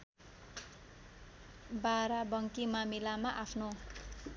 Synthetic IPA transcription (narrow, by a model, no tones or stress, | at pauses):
baɾabʌŋkimamilamaʔapʰno